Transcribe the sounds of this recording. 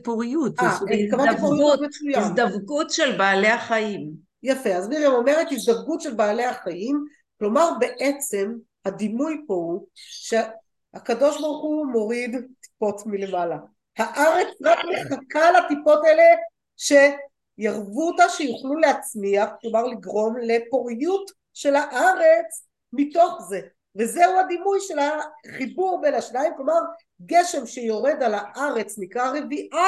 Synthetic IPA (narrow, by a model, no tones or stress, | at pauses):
puʁjut̪akavanipoʁiutmet͡sujasd̪avkutʃelbaːle̞aχaim | jafe̞azmiʁemo̞me̞ʁet̪hisd̪avɡutʃe̞lbaːle̞haχajim | klo̞maʁbe̞ʔet͡se̞m | had̪imujpo̞uʃe | hakado̞ʃbaʁuχumo̞ʁid̪t̪i̥po̞tmile̞mala | haʔaʁe̞t͡sʁakmeχakalatipo̞tele | ʃe̞ | jaʁvuotaʃejuχluleat͡smiaχklomaʁliɡʁo̞mle̞poʁjut | ʃe̞laʔaʁe̞t͡s | mito̞χze̞ | ve̞zeuhad̪imujʃe̞laχibuʁbenaʃnaimklo̞maʁ | ɡe̞ʃe̞mʃejo̞ʁe̞d̪alaʔaʁe̞t͡snikʁaʁe̞viʔa